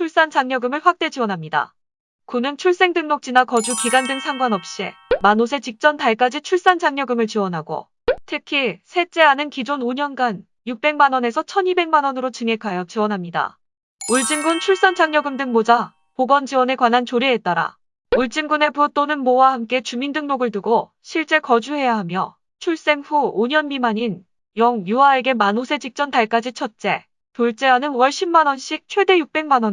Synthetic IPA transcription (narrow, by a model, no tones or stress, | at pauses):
t͡ɕʰuɭs͈ant͡ɕaŋɲʌɡɯmɯɭɸwak̚t͈e̞d͡ʑiwʌnɦamɲida̰ | kunɯnt͡ɕʰuɭs͈e̞ŋdɯŋnok̚t͡ɕ͈inakʌd͡ʑukiɡandɯŋsʰaŋɡwanʌp̚ɕ͈ḭmanosʰe̞t͡ɕik̚t͡ɕ͈ʌntaɭk͈ad͡ʑit͡ɕʰuɭs͈and͡ʑaŋɲʌɡɯmɯɭt͡ɕiwʌnɦaɡo̰ | tʰɯkʰisʰe̞t͡ɕ͈e̞anɯnkid͡ʑonoɲʌnɡan | juk̚p͈e̞ŋmanʌne̞sʰʌt͡ɕʰʌnibe̞ŋmanʌnɯɾot͡ɕɯŋe̞kʰajʌt͡ɕiwʌnɦamɲida̰ | uɭt͡ɕ͈imɡunt͡ɕʰuɭs͈ʌnt͡ɕaŋɲʌɡɯmdɯŋmod͡ʑa | poɡʌnd͡ʑiwʌne̞kwanɦant͡ɕoɾiːt͈̚aɾa̰ | uɭt͡ɕ͈imɡune̞put͈onɯnmowahamk͈e̞t͡ɕumindɯŋmoɡɯɭtuɡo | ɕʰiɭt͡ɕ͈e̞kʌd͡ʑuɦe̞jaɦamjʌ | t͡ɕʰuɭs͈e̞ŋɸuoɲʌnmimaɲin | jʌŋjuaːɭɡe̞manosʰe̞d͡ʑik̚t͡ɕ͈ʌntaɭk͈ad͡ʑit͡ɕʰʌt̚t͡ɕ͈e̞ | toɭt͡ɕ͈e̞anɯnwʌɭɕʰimːanʌnɕ͈ʰik̚t͡ɕʰwe̞de̞juk̚p͈e̞ŋmanʌn